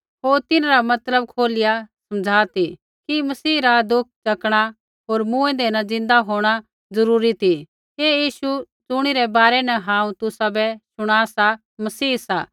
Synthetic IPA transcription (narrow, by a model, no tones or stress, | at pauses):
ɦoːɾt̪ɪnaɾamɐt̪ləb̚kʰoːlɪjasɐmd͡zʱaːt̪ʰi | kimɐsiːɾad̪ʊk̚ʰt͡ʃɐkɽ̃a | ɦoːɾmũːɛ̃d̪eːnad͡zɪ̃nd̪aɦoːɽ̃a | zɐɾuːɾit̪ʰi | ɦeːjiːʃu | t͡sʊɽ̃iɾɛbaːɾɛnɛɦãːũt̪ʊsabɛsʊɽ̃aːsa | mɐsiːsa̰ː